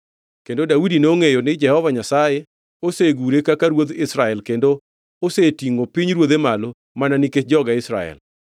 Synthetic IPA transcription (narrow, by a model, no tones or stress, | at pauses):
kendodaudinoŋejonɪd͡ʒɛhɔvaɲasaje | oseɡuɾekakaɾwod̪ɪsɾaɛlkendo | osetiŋopiɲɾwoðemalo | mananɪked͡ʒɔɡaɪsɾa̰ɛ̰l